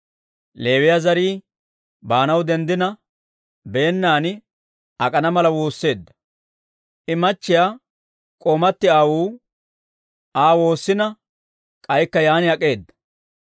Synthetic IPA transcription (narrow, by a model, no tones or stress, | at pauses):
le̞ːwɪjazɐɾiː | baːnɐwd̪ɛnd̪ɪnɐ | be̞ːnːaːnɪ | ɐkʼɐnɐmɐlɐwo̞ːsːe̞ːd̪ːɐ̥ | ʔɪmɐt͡ʃːɪjaː | kʼoːmɐt̪ːɪaːwuː | ʔaːwo̞ːsːɪnɐ | kʼɐjkːɐjaːnɪɐkʼːe̞ːd̪ːɐ̥